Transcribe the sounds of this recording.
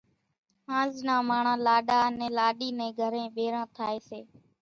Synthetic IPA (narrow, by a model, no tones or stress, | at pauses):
ãːznaːmaːɳ̤ãːlaːɗaːnɛ̃ːlaːɗiːnɛ̃ːɡʱəɾẽːɓeːɾãːt̪ʰaːeːseː